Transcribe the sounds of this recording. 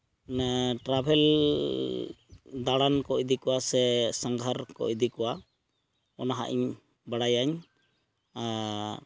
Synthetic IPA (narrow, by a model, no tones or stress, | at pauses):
nʈɾabʱɛl | d̪aɽankɔjd̪ikɔwasɛsaŋɡʱaɾkɔ̰d̪ikɔwa | ɔnaɦa̰ʔḭɲ | baɽajaɲ | a